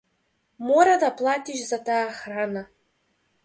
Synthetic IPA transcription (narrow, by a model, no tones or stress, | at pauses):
moɾad̪aplˠat̪ʲiʃzat̪aːxrana